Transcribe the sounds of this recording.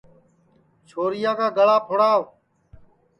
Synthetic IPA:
t͡ʃʰoːɾɪjaːkaːɡəɭaːpʰʊɽaː

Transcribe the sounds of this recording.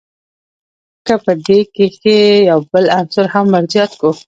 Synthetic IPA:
kəpəd̪ekexejawbəlansʊɾhamːaɾzjɑt̪ku

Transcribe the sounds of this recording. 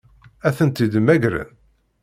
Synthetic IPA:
æθənt̪id̪əmæɡɾæ̰n

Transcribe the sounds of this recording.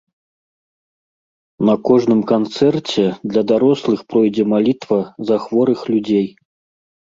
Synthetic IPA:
nɐkɔʐnɨmkant̪sɛrt͡sʲɛd̪lʲɐd̪aɾɔslˠɨxpɾɔjd͡zʲɛmalʲit̪vɐzaxvɔɾɨxlʲud͡zʲej

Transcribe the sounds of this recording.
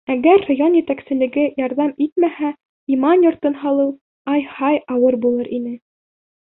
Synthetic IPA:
æɡæɾːojonjæt̪æksɘ̆lɘ̆ɡɘjɑɾðɑmit̪̚mæhæ | imɑnjŏɾt̪ɤnɦɑlˠɤw | ɑjhɑjɑwɤɾbulˠɤɾʔinɘ

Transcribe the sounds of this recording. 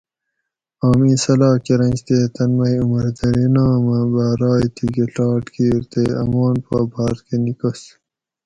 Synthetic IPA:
aːmisɐlaːkeɾɐ̃nt͡ɕt̪eːt̪ɐnmɐjumɐɾd̪ɐɾinaːmɐbaːɾɑːjt̪ʰiɡeɬɑːʈkiːɾt̪eːɐ̰moːnpaːbʱaːɾkenikɐs

